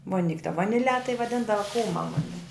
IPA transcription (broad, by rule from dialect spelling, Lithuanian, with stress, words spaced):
ʋoːˈnʲɪkʲ tɐ ʋɐnʲɪˈlʲɛ tɐɪ ʋɐˈdʲɪndɐʋɐ ˈkuːmɐ ˈmʊnʲɪ